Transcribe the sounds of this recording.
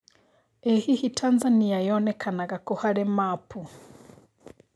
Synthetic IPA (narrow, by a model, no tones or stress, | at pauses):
ɛhihitʰanzaniajɔːnɛkʰanaɣakohaɾɛmapu